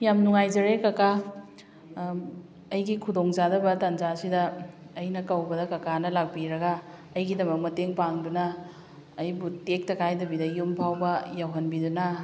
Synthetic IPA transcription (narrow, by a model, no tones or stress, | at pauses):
jamnuŋajzɐɾekɐka | ɐjɡikʰudoŋzadɐbɐtand͡ʒasidɐː | jnɐkɐwbɐdɐkɐkanɐlak̚biɾɐɡɐː | jɡidɐmɐk̚mɐteŋpaŋdunɐː | jbutek̚tɐkʰajdɐbidɐjumpʰawbɐjawɦɐnbidunɐ